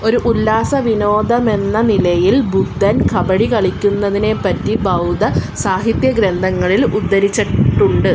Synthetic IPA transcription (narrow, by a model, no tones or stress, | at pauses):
o̞ɾuʔulːaːsɐʋino̞ːd̪ɐme̞nːɐnilɐjilbʱuɡd̪ʱɐnkʰɐbɐɽikɐɭikʲːunːɐðine̞pɐt̪ːibɐwd̪ɐsaːɦit̪jɐɡɾend̪ʱɐŋːɐɭilud̪ːɐɾit͡ɕːɐʈːuɳɖɨ